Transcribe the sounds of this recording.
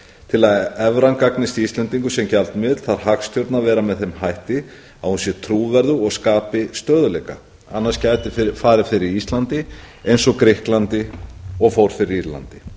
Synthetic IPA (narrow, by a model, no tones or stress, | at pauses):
t̪ʰɪlaðɛvɾankaknɪst̪ist̪lɛnt̪iŋkʏsɛmcalt̪mɪðt̪l̥θaɾ̥hakst̪ʰjɔɾt̪navɛːɾamɛðθɛjmhajht̪ɪ | avhunsjɛt̪ʰɾuːvɛɾðʏɔɣskaːpɪst̪œːðʏlɛjka̰ | a̰nːaɾscaːjt̪ɪffaːɾɪfɪɾɪɾist̪lant̪ɪ | ejnsɔkɾɪhklant̪ɪɔɣfowɾ̥fɪɾɪɾiɾla̰nt̪ɪ̥